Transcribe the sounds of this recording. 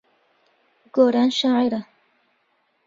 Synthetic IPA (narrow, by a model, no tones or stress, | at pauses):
ɡoɾanʃaːʕɪɾa